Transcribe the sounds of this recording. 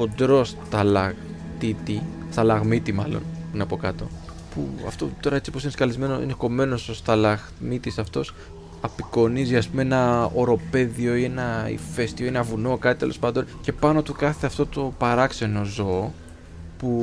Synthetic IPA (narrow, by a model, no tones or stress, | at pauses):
od̪ɾo̞st̪ɐlɐɣ | t̪it̪i | st̪ɐlɐɣmit̪imɐlo̞̰npuneɐpo̞kɐt̪o̞ | pṵɐ̰ft̪o̞̰t̪o̞ɾɐe̞t͡si̥posineskɐlizme̞noḭneko̞me̞nosost̪ɐlɐɣ | mit̪isɐft̪o̞s | ɐpiko̞niziɐspumee̞nɐo̞ɾo̞pe̞ðio̞ie̞nɐḭfe̞st̪ioenɐvuno̞kɐt̪it̪elo̞spɐnd̪o̞nce̞pɐno̞t̪ukɐθe̞ɐft̪o̞t̪o̞pɐɾɐkse̞no̞zoː | pu